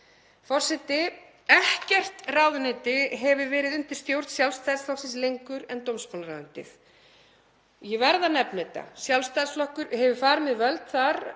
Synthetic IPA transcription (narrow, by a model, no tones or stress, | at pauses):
fɔr̥sɛt̪ɪ | ɛhcɛr̥t̪raːwðʏnɪt̪ɪɦɛvʏɾvɛːɾɪðʏnt̪ɪ̥ɾ̥st̪jowɾt̪sjawlst̪ʰajðsθawsɪnslejŋkʏɾɛnt̪owmspɔlnɾaːwðʏn̥t̪ɪ̰θ | jɛvɛɾðanɛpnɛt̪a̰sjawlst̪ajðsflɔhkʏɾhɛvʏfaːɾmɛðvœlt̪θaɾ